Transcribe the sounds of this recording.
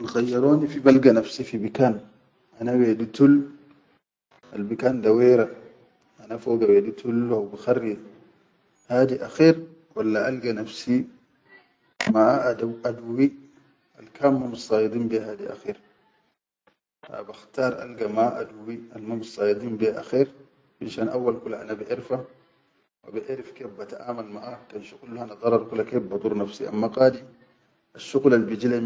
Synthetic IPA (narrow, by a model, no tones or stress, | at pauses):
nxajːaɾoːnifibalɡanafsifibikaːn | ʔanaweːdut̪ul | ʔa̰lbikand̪aweːɾa | ʔanafoɡawedut̪ulawbixarːi | haːd̪iʔaxiːɾ | walːaʔalɡanafsi | madaduwi | ʔalkaːmːamsˤɑːjid̪ˤiːmbiɦaːd̪iʔa̰xiːɾ | ha̰baxt̪ɑːɾˤʔa̰lɡamaʔaduwialmumsˤɑːjid̪ˤiːmbiaʔaxiːɾ | binʃaːnʔawːalkulaʔa̰nabiʔiɾfa | wa̰biʔeɾifkeːbːat̪aʔaːmalmaʔakanʃuqulːhanad̪ˤɑɾˤːɑɾˤkulːakebːɑt̪ˤuːɾnafsḭʔa̰mːaqaːd̪i | ʔaʃːuɣlalbid͡ʒilam